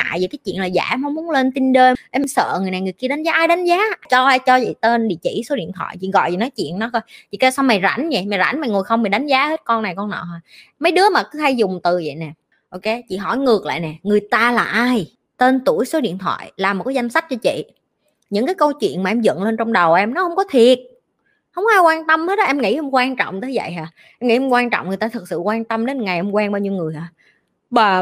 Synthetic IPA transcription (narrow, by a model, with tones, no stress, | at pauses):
a̰ː˧˨jzəː˨˩jkaː˨˦jt͡ɕwḭ˧˨ənlaː˨˩za̰ː˧˩˧mhɔ˨˦mu˨˦ənle˧nt̪i˧nɗe˧ʔɛ˧msə̰ː˧˨ŋ˨˩əjna˨˩jŋɨ˨˩əjki˧əɗa˨˦ŋ̟zaː˨˦ʔaː˧jɗa˨˦ŋ̟zaː˨˦t͡ɕɔ˧t͡ɕɔ˧zḭ˧˨t̪e˧nɗḭ˧˨t͡ɕḭ˧˩so˨˦ɗḭ˧˨ənt̪ʰwa̰ː˧˨jt͡ɕḭ˧˨˩ɣɔ̰˧˨ji˨˩nɔ˨˦jt͡ɕwḭ˧˨ənnɔ˨˦kə˧jt͡ɕḭ˨˧˨t̪aː˧sa˧wma˨˩jza̰˧˩˦nɲə̰˧˩jma˨˩jza̰˧˩˦nma˨˩jŋo˨˩jxə˧wŋ͡mmi˨˩ɗa˨˦jŋ̟zaː˨˦he˦˥t̚kɔ˧nːa˨˩jkɔ˧nnɔ̰˧˨ɦaː˨˩mə˨˦jɗɨ˨˦əmaː˨˩kɨ˨˦ha˧jzʊ˨˩ŋ͡mt̪ɨ˨˩zə̰˧˨jnɛ˨˩ | ʔo˧wke˧t͡ɕḭ˧˨ɦɔ̰˧˩jŋɨ˨˩ək̚la̰ː˧˨jnɛ˨˩ŋɨ˨˩əjt̪aː˧laː˨˩ʔaː˧j | t̪e˧nt̪u˧˩əjso˨˦ɗḭ˧˨ənt̪ʰwa̰ː˧˨jlaː˨˩mo˨˩kːaː˨˦za˧jŋ̟sa˦˥k̚t͡ɕɔ˧t͡ɕḭ˧˨ | ɲɨ̰˧˥ŋkaː˨˦jkə˧wt͡ɕwḭ˧˨ənmaː˨ʔɛ˧mzə̰˧˨nle˧nt͡ɕɔ˧wŋ͡mɗə˨˩wʔɛ˧mnɔ˨˦hə˧wŋ͡mkɔ˨˦t̪ʰi˨˩ət̚ | hə˧wŋ͡mʔaː˧jkwaː˧nt̪ə˧mhe˦˥t̚ɗɔ˨˧ʔɛ˧mŋḭ˧˥hə˧wŋ͡mkwaː˧nt͡ɕɔ̰˧˨wŋ͡mt̪əː˨˦zvə̰˧˨jɦaː˨˩ | ʔɛ˧mŋḭ˧˥hə˧ŋ͡mkwaː˧nt͡ɕɔ̰˧˨wŋ͡mŋ˨˩əjt̪aː˧t̪ʰɨ˨˩k̚sɨ̰˧˨kwaː˧nt̪ə˧mɗe˨˦nŋa˨˩jʔɛ˧mŋ͡mkwɛː˧nɓaː˧wɲi˧wŋɨ˨˩əjɦaː˨˩ | ɓaː˨˩